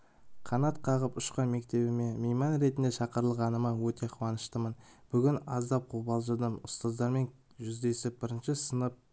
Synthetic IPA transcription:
qʰɑnɑt̪qʰɑʁəpʊʃqɑjme̞k̚t̪e̞bɪme̞mejmɑnɾe̞t̪ɪnd̪eʃɑqəɾəlˠʁɑnəmɑwɵt̪e̞qʰuwɑnəʃt̪əmən | b̥ʏɡʲɪnɑzd̪ɑp̚qʰubɑlˠʒəd̪əmʊst̪ɑzd̪ɑɾme̞n | ʒʏzd̪e̞sɪp̚bɪɾɪnʃɪsənəp̚

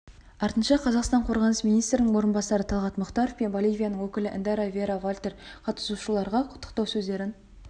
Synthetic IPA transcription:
ɑɾt̪ənʃɑqʰɑzɑqst̪ɑɴqʰo̞ɾʁɑnəsmijnijst̪ɾɪnɪŋwoɾənbɑsɑɾət̪ʰɑlˠʁɑt̪mʊqt̪ɑɾofpe̞nvolʲˠijvʲijanəɴwɵkʲɪlɪʔɪ̰nd̪ɑɾavʲe̞ɾavolʲt̪e̞ɾqʰɑt̪ə̥suʃəlˠɑɾʁɑqʰʊ̥t̪ːə̥qt̪ɑwsɵzd̪e̞ɾɪn

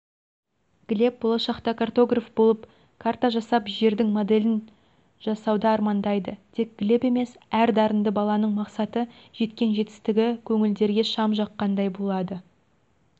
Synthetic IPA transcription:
ɡ̥ʲle̞p̚bo̞lˠɑʃɑqt̪ɑkʰart̪o̞ɡrafbo̞lˠəp | kʰart̪ɑʒɑsɑpʒe̞ɾd̪ɪŋmo̞d̪e̞lɪn | ʒɑsɑwd̪ɑːɾmɑnd̪ɑjd̪əd̪̥ʰe̞k̚ɡ̥ʲɪle̞pe̞me̞sæɾd̪ɑɾənd̪əbɑlˠɑnəɴmɑqsɑt̪ə | ʒ̥e̞t̪kʲe̞nʒe̞t̪ɪ̥st̪ɪɡʲɪkʲʰɵŋɪld̪e̞ɾɡʲe̞ʃɑmʒɑqːɑnd̪ɑjbo̞lˠɑd̪ə

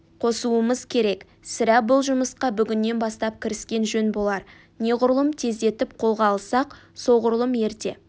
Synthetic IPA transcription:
qʰo̞suəməzkʲʰe̞ɾe̞k | sɪɾæbʊlˠʒʊməsqɑbʏɡʲɪnːe̞nbɑst̪ɑp̚kʲʰɪɾɪskʲe̞nʒɵnbo̞lˠɑɾ | ne̞ʁʊɾlˠəmt̪ʰe̞zd̪e̞t̪ɪpqʰo̞lˠʁɑːlˠsɑqso̞ʁʊɾlˠəme̞ɾt̪e̞̰

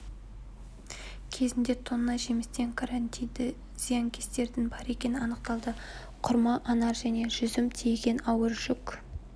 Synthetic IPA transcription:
kʲʰe̞zɪnd̪e̞t̪ʰonːɑjʒe̞mɪst̪e̞ŋkʰaɾant̪ijd̪ɪ | z̥ijaŋkʲest̪e̞ɾd̪ɪnbɑɾe̞kʲe̞nɪnɑnəqt̪ɑlˠd̪ə | qʰʊɾmɑʔɑnɑɾʒæne̞ʒʏzɪmt̪ʰijɡʲe̞nɑwəɾʒ̥ʏk

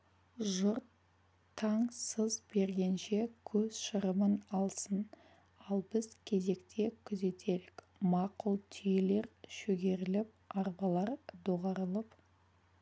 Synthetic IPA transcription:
ʒʊɾt̪ʰː | ɑɴsəzbe̞ɾɡʲe̞nʃe̞kʲʰɵz̥ʃəɾəmənɑlˠsən | ɑlˠbɪz̥kʲʰe̞ze̞kt̪ʰe̞kʲʰʏze̞t̪ʰe̞ɾɪk | mɑqʊlˠt̪ʰʏjele̞ɾʃɵɡʲe̞ɾɪlɪp̚ɑɾbɑlˠɑɾd̪oʁɑɾəlˠəp

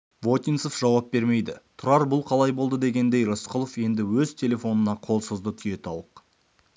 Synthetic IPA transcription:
vo̞t̪ʲijnsofʒ̥ɑwɑp̚be̞ɾme̞jd̪ɪt̪ʰʊɾɑɾbʊlˠqʰɑlˠɑjbo̞lˠd̪əd̪e̞ɡʲe̞nd̪e̞jɾosqʰʊlˠofje̞nd̪ɪwɵzt̪ʲʰe̞le̞fo̞nənɑqʰo̞lˠsəzd̪ət̪ʰʏje̞t̪ʰɑwəq

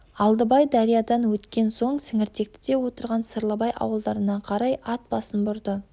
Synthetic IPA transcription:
ɑlˠd̪əbɑjd̪ɑɾijɑd̪ɑnwɵt̪kʲe̞nso̞ɴsɪŋɪɾt̪e̞k̚t̪ɪ̥d̪e̞wo̞t̪əɾʁɑnsəɾlˠəbɑjʔɑ̰wəlˠd̪ɑɾənɑqʰɑɾɑjɑt̪̚bɑsənbʊɾd̪ə

